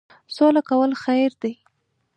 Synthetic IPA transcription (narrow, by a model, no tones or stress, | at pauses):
solakawəlxajɾd̪e